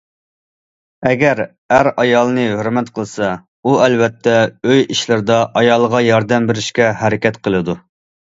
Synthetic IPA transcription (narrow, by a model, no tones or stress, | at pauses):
ɛɡʲɛɾ | æɾɑjɑlˠnɨɦøɾmɛt̪qʰəlˠɨsɑ | uɛlvɛt̪ʰːɛøjiʃlɪɾɪd̪ɑʔɑjɑlˠəʁɑjɑɾd̪ɛmbeɾɪʃkʲɛhɛɾɪkʲɛt̪qʰəlˠɨd̪u